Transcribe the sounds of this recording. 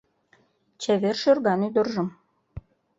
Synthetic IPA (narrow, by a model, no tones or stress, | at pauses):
t͡ɕeβerʃørɣɑnyd̪ə̆rʒə̆m